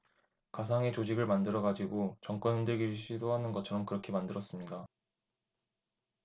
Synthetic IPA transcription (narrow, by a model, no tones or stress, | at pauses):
kasʰaŋe̞t͡ɕod͡ʑiɡɯɭmandɯɾʌɡad͡ʑiɡot͡ɕʌŋk͈wʌnɦɯndɯɭɡiɾɕʰidoɦanɯnɡʌt͡ɕʰʌɾʌmkɯɾʌkʰe̞mandɯɾʌs͈ɯmɲida